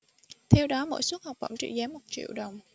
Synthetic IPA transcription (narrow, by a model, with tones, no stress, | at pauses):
t̪ʰɛ˧wɗɔ˨˦mo̰˧˥jswu˦˥t̚ha˨˩wk͡p̚və̰˧˩ŋ͡mt͡ɕḭ˧˨zɛː˨˦mːo˨˩t̚t͡ɕḭ˧˨əwɗə˨˩wŋ͡m